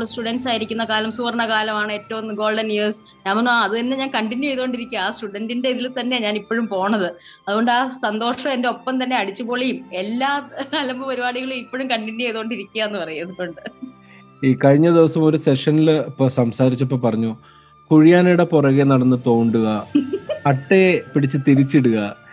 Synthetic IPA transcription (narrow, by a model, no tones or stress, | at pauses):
ɭsʈuɽɐnɖsaːjiɾikʲːunːɐkaːlɐmsuːɐrɐɳɐkaːlɐmaːɳɨe̞ːtːɐʋunɡo̞ːlɖɐnjiːrs | ɲaːnmonaɐðɨt̪ɐnːe̞ɲaːnkɐɳʈinjuejðoːɳɖiɾikʲːuaaːsʈuɽɐndinde̞iðilt̪ɐnːe̞ɲaːnipːoːɻumpo̞ːɳɐðɨ | ɐðuɣo̞ɳɖɨaːsɐnd̪o̞ːʂɐmende̞o̞pːɐmt̪ɐnːe̞ɐɽit͡ɕːɨpo̞ːɭejume̞lːaːɐlɐmbɨpɐɾubaːɽiɣɐɭumipːoːɻumkɐɳʈinjuejðoːɳɖiɾikʲːujaenːɨpɐrɐjuɐðukːo̞ɳɖɨ | iːkɐɻiɲːɐd̪iʋɐsɐmo̞ɾuse̞ʂɐnilɐpːosɐmsaːɾit͡ɕːɐpːoːpːɐrɐɲːu | kuɻijaːnejuɽeporɐɣenɐɽɐnːɨt̪o̞ːɳɖuɣɐ | ɐʈːepiɽit͡ɕːɨt̪iɾit͡ɕːiɽuɣɐ